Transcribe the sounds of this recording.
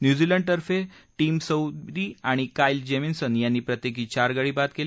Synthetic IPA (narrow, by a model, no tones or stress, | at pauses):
njud͡ziləɳɖ̚t̪əɾfe | ʈiːmsəwɾiːaɽ̃ikaild͡ʑeminsənjanːiːpɾət̪jekiːt͡ɕaɾɡaɽiːbat̪kel